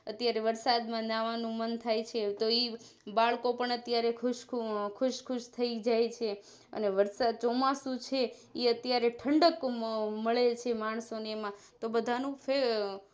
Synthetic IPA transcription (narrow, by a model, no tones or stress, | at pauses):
ət̪jaɾeʋəɾsad̪mãnaʋanũmənt̪ʰajt͡ʃʰet̪oi | baɭkopəɳət̪jaɾekʰʊʃkʰʊʃkʰʊʃt̪ʰəid͡ʒajt͡ʃʰe | ə̰neʋəɾsad̪̚t͡ʃɔmasũt͡ʃʰe | iət̪jaɾeʈʰəɳɖəkməɭet͡ʃʰemaɳ̃sonemã | t̪obəd̪ʱanũfe